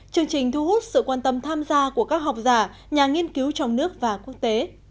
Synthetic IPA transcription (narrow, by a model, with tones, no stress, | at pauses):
t͡ɕɨ˧əŋt͡ɕï˨˩ŋ̟t̪ʰu˧hu˦˥t̚sɨ̰˧˨kwaː˧nt̪ə˧mt̪ʰaː˧mzaː˧ku˧˩əkaː˦˥k̚ɦa˨˩wk͡p̚zaː˧˩ | ɲaː˨˩ŋi˧ənki˨˦wt͡ɕɔ˧wŋ͡mnɨ˦˥ək̚vaː˨˩ku˦˥ək̚t̪e˨˦